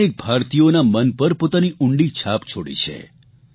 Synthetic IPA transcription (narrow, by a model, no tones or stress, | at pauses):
ek̚bʱaɾt̪ijonamənpəɾpot̪aniʔuɳɖit͡ʃʰapt͡ʃʰoɽḭt͡ʃʰḛ